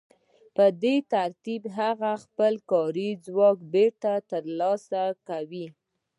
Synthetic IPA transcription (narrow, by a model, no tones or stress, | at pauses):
pəd̪et̪aɾt̪ibɦaɣaxpəlkɑɾid͡zwɑkbeɾt̪at̪əɾlɑsakawi